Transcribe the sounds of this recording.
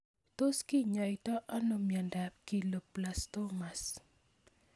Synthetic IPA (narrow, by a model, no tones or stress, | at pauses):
t̪oskiɲaitɔʔanomjandap̚kiləplast̪omas